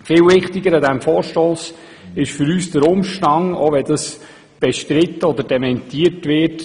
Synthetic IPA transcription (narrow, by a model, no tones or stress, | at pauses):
fɪːlʋɪχtɪɡəɾɑdɛmfɔːɾʃtɔls | ɪʃfʏɾyːsd̥əɾʊmʃtɑŋo̰ʋɛdɑs | b̥ɛʃtɾɪtːəɔd̪əɾdɛmɛntiːəɾtʋɪt